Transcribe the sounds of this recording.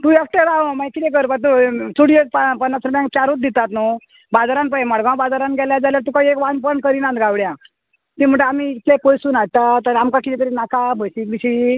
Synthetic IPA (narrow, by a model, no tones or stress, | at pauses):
t̪ũekʈeɾãmajkit̪ẽkəɾpat̪usuɽijopapənːat͡sɾəbjãŋkjaɾut̪̚d̪it̪at̪no | bad͡zaɾanpaemaɽɡãw̃bad͡zaɾanɡʱɛljad͡zaljaɾt̪ukãekʋanpənkəɾinãnt̪ɡʱawɽjã | t̪im̤əɳʈamiːt̪lepojsuːnat̪at̪əɾamkakit̪ɛkəɾinakabʱəjsikbiɕi